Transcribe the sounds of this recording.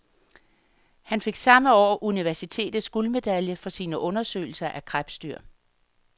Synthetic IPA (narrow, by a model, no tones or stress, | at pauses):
hænfe̝ɡ̥sɑ̈məɒ̰ːʔuniʋæɐsit͡sʰe̝̰ːd̥ð̩ˠsɡ̥uːlme̝d̥æljəfɒ̽siːnəʔɔ̽nɐsø̰ɪl̩sɐʔækʰʁab̥sd̥yɐ̰